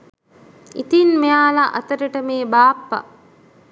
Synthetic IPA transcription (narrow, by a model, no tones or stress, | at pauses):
it̪inmejaːlaʔɐ̰t̪əɾiʈəmeːbaːpːa̰